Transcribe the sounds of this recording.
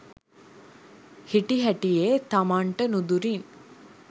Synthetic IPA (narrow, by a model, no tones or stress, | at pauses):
hɪʈːiɦɐʈːijeːt̪ɐmaːɳʈɐnud̪uɾin